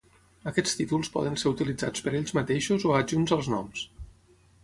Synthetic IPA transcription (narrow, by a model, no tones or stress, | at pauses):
əkɛt͡st̪it̪ulˠspɔ̰ðənseɾut̪ilid͡zat͡spəɾeʎʲzmət̪eʃuzoəd͡ʒunzəlˠznɔ̰ms